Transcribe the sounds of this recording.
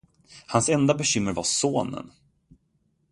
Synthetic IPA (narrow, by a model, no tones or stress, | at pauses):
hansɛnd̪abɛɕʏmːəɾvasoːnə̰n